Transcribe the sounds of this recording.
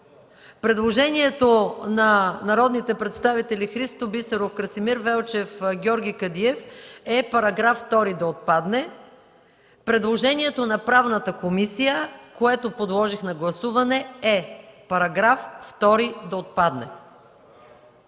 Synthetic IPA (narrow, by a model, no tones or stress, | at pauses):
pɾɛd̪lˠoʒɛniɛt̪onɐnɐɾɔd̪nit̪ɛpɾɛt̪st̪avit̪ɛlʲixɾist̪obisɛɾofkɾɐsimiɾvɛlˠt͡ʃɛfɡʲɔɾɡʲikɐd̪iɛfɛpɐɾɐɡɾafft̪ɔɾid̪ɐot̪̚pad̪nɛ | pɾɛd̪lˠoʒɛniɛt̪onɐpɾavnət̪əkomisijəkoɛt̪opod̪lˠɔʒixnɐɡlˠɐsuvɐnɛɛpɐɾɐɡɾafft̪ɔɾid̪ɐot̪̚pad̪nɛ